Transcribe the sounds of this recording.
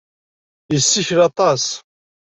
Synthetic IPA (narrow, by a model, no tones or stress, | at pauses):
jəsːiçlɑt̪ˤɑs